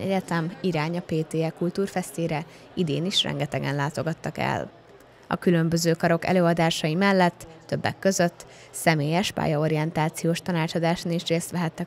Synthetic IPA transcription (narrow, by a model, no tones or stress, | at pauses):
ɛ̰ɟɛt̪ɛmiɾaːɲɒpeːt̪eːɛkult̪uːrfɛst̪eːɾɛ | id̪eːniʃrɛ̰ŋɡɛt̪ɛɡɛ̰nlaːt̪o̞ɡɒt̪ːɒkɛ̰l | ɒ̰kylø̞mbø̞zøːkɒɾo̞kɛ̰løːɒd̪aːʃɒjimɛlːɛt̪ːø̞bːɛ̰kːø̞zø̞t̪ː | sɛmeːjɛʃpa̰ːjɒo̞ɾiɛnt̪aːt̪sijoːʃt̪ɒnaːt͡ʃɒd̪aːʃoniʃreːst̪ʋɛɦɛt̪ːɛ